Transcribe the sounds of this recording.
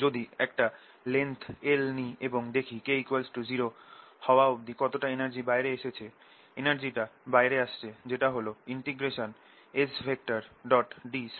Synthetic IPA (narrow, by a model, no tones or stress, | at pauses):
d͡ʑod̪iɛkʈa | lent̪ʰelnieboŋd̪ekʰikejkoelsʈud͡ʑiɾohɔoaobd̪ikɔt̪oʈaenaɾd͡ʑibaeɾeeʃet͡ɕʰe | enaɾd͡ʑiʈabaejɾeaʃt͡ɕʰed͡ʑeʈaɦoloiɳʈiɡɾeʃon | esfʰek̚ʈaɾɖɔʈɖis